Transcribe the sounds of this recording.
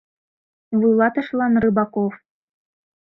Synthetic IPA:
βɨlˠɑt̪ɤ̆ʃlˠɑnrɨbɑkof

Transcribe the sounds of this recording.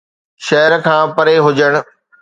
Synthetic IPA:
ʃɐɦəɾkʰãːpɐɾeɦʊd͡ʑəɽ̃̆

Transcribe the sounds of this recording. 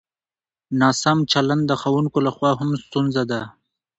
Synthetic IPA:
nɑsamt͡ʃaland̪ːəxawuŋkolaxwɑɦamst̪unzad̪a

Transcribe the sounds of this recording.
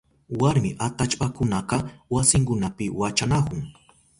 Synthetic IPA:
waɾmɪʔat̪at͡ʃpakʊnaqɑwasɪŋkʊnapɪwat͡ʃanakʊŋ

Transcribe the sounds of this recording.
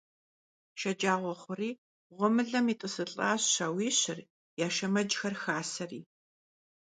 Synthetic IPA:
ʃɐd͡ʒaːʁʷɔχʷʊriː | ʁʷʊmɨɮɐmiːtʼɨsɨɬʼaːɕɕawiːɕɪr | jaːʃɐmɐd͡ʒxɐrxaːsɐrḭː

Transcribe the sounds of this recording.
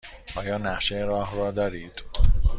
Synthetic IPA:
ʔɒːjɒːnæʃeɾɒːɦrɒːd̪ɒːɾiːd̪̥

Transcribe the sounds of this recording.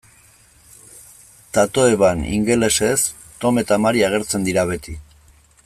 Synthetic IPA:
t̪at̪o̞eβanḭŋɡe̞le̞ses | t̪o̞me̞t̪amaɾiaɣ̞e̞ɾt͡se̞nd̪iɾaβ̞e̞t̪i

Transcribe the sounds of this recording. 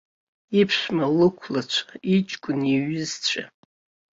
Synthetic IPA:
ipʰʂʷmalɨkʷʰlat͡ɕʷʰḁit͡ʃʼkʷʼʊniɥɪzt͡ɕʷʰa̰

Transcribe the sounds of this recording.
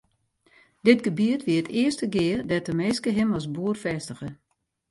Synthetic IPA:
dɪtɡəbyətʋiətɪəstəɡɪərdɛtəmeːskəɦɪmɔsbuərfɛstəɣə

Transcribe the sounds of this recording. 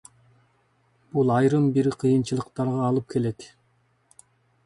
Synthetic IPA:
b̥ulˠɑjɾɯmbiɾiqʰɯjɯnt͡ʃɯlˠɯqt̪ɑɾʁɑːlˠɯp̚kʰe̞le̞t̪

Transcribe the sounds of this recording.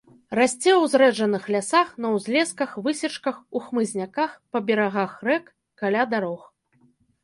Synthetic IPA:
rasʲt͡sʲɛwzɾɛʐɐnɨxlʲasaxnɐwzʲlʲɛskɐxvɨsʲɛt͡ʂkɐxuxmɨzʲnʲakaxpɐbʲɛɾaɣaxrɛkː | alʲad̪aɾɔx

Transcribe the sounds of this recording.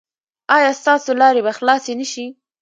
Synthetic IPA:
ɑjɑst̪ɑsolɑɾebaxlɑsenəʃi

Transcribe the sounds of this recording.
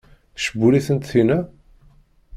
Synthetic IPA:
θʃəbuliθənt̪θinæ

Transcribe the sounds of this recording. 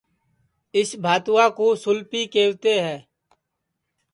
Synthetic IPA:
ɪsbʱaːt̪ʊwãːkoːsʊlpiːkeːwt̪eːɦɛ̃ː

